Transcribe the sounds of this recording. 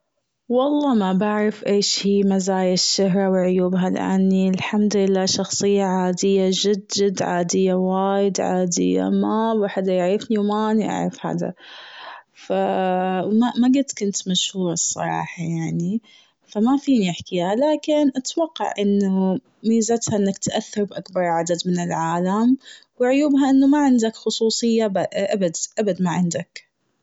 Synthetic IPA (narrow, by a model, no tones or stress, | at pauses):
wɑlˤːɑːmabaʕɾˤɪfʔeːʃhiːmazaːjɪʃːaɦɾˤɑwʕʊjuːbɦal̰ʔa̰nːiɪlħamd̪ʊlɪlːaːʃɑxsˤɨjːaʕaːd̪ɪjːad͡ʒɪd̪ːɪd̪ʕaːd̪ɪjːawaːjɪd̪ʕa̰ːd̪ɪ̰jːa̰mabaħad̪ajɪʕɾɪfniwmaʔniʔa̰ʕɾˤɑfha̰ːd̪a̰ | fa | mamaɡʊt̪kʊnt̪maʃhuːɾˤɑsˤːɑ̰ɾˤɑ̰ːħɑjaʕni | famafiːniɪħkɪhalaːkɪnʔat̪wɑqːɑ̰ʕʔɪnːu | miːzat̪haʔɪnːakt̪ʔaθːɑɾˤbʔakbɑɾˤʕad̪ad̪mɪnɪlʕaːlamwɪʕʊjuːbɦaʔɪnːumaʕɪnd̪akxʊsˤuːsˤɨjːabʔabad̪ʔabad̪maʕɪnd̪ak